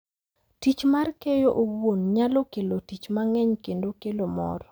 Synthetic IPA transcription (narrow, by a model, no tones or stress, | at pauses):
tit͡ʃmarkejoʔowonɲalokelotit͡ʃmaŋɛɲkendokelomɔ̰ɾɔ